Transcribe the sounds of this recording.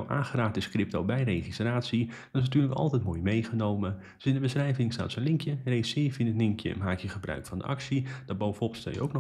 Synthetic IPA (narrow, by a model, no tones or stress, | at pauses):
ʔa̰ːχəraːk̚dəskrɪp̚tobɛjrejχistraːtsidɔnɪsnatyːləkɑ̰lˠtɛjtmoːjmejχənowmə | dsɪndəbəsrɛjvɪŋsta̰ːtsonlɪŋkjəresɪːfɪnətlɪŋkjə̰ɛ̰nmɦaːkjəχəbrœ̰ɥkfɑndə̰ʔɑksid̥ɔt̚bowfɔbətstɛ̰jəo̰wkn